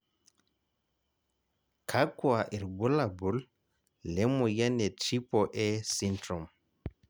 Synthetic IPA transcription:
kʰakuaʔɛɾɡɔlabulː | ɛmɔjanɛtipɔʔɛsintɾɔm

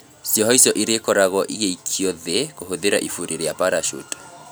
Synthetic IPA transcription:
siɔɦɔisjɔʔiɾekɔɾaɣɔʔiɣeikʰiɔðɛkoɦoðeɾa̰ʔifuɾeɾejapaɾaʃṵtḁ

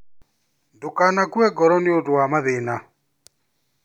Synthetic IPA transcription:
ndokanakuɛɡɔɾɔnɪodowamaðena

